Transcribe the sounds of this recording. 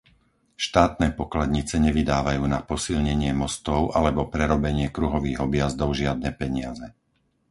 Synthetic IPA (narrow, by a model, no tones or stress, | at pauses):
ʃt̪aːt̪̚nɛːpɔklad̪ɲit͡sɛɲɛʋid̪aːʋajuːnapɔsilɲɛɲɪɛmɔst̪ɔʊʔalɛbɔpɾɛɾɔbɛɲɪɛkɾuɦɔʋiːɦɔbɪjazd̪ɔʊʒɪad̪nɛːpɛɲɪazɛ